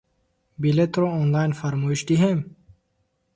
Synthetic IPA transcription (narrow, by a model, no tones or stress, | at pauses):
bilet̪ɾoonlɑːjnfaɾmoːiʃd̪iɦem